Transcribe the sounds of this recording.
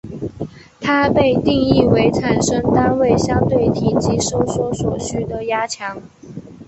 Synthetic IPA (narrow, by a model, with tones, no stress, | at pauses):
t̪ʰa˥pe˥˧ɪt̪i˥˧ŋi˥˩we˧˥ɪt͡sʰa˨˩nʂɤ˥ŋt̪a˥nwe˥˩ɪɕjɑ˥ŋt̪we˥˩ɪt̪ʰi˨˩t͡ɕi˧˥ʂo˥ʊswɔ˧˥swɔ˨˩ɕy˥d̪ə˨ja˥t͡ɕʰjɑ˧˥ŋ